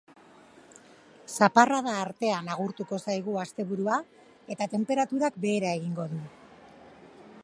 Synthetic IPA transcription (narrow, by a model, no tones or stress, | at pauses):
saparað̞aːɾt̪e̞anaɣ̞uɾt̪uko̞sajɣ̞uast̪e̞βuɾua | e̞t̪at̪e̞mpe̞ɾat̪uɾakbe̞ːɾae̞ɣiŋɡo̞ðu